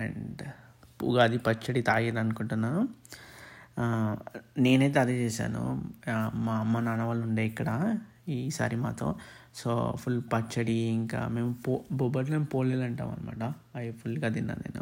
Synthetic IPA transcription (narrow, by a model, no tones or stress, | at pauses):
ḛɳɖ | pṵɡaːd̪ipɐt͡ʃːɐɽit̪aːjid̪ɐnukuɳʈunːaː | ne̞ːnejt̪̬ɐd̪et͡ʃeːʃa̰ːnṵ | mamːɐnɐnɐʋaːluɳɖeːikːɐɽɐ | iːsa̰ːɾima̰ːt̪o̰ːso̰ːpʰulpɐt͡ʃːɐɽiiŋka̰ːme̞ːmupobɔbɐʈ̬neːmupoːlːeːlɐɳʈa̰ːmɐ̰nima̰ːʈɐ | ɐjpʰulɡɐd̪inːa̰ːnḛːnṵ